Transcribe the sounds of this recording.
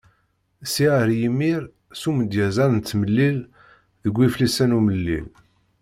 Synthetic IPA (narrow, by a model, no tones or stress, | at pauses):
siəɾjimːiɾ | suməd̪jæzæðənt̪ːməlːil | ðəɡʷːiflisænuməlːḭl